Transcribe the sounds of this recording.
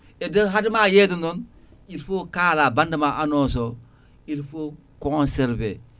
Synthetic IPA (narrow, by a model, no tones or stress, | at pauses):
edəɦadimajedunon | iɾfokaːlabandamaʔanoso | iɾfo | kõnseɾbe